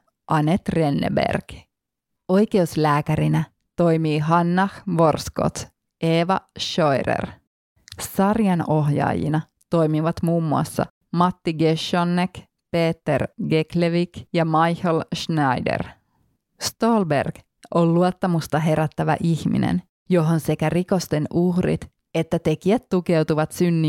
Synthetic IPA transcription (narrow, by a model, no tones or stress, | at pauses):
ʔɑnet̪re̞nːḛbḛrɡ̥ | o̞jke̞uslæːkæɾinæ | t̪o̞jmiːɦɑnːɑhʋo̞rsko̰t̪ | eːʋɑʃojrḛr | sɑrjɑno̞ɦjɑ̰ːjḭnɑ | t̪o̞jmiʋɑt̪muːmːuɑ̰sːɑ̰ | mɑt̪ːiɡeʃonːek | peːt̪ːerɡekleʋikjɑmɑjhəlʃnɑjdḛr | st̪olbḛrɡ̥ | olluot̪ːɑmust̪ɑɦeɾæt̪ːæʋæ̰ʔihmḭnḛn | joɦonsekæriko̞st̪enʔuhrḭt̪ | et̪ːæt̪e̞kiæt̪t̪ukewt̪uʋɑt̪synːi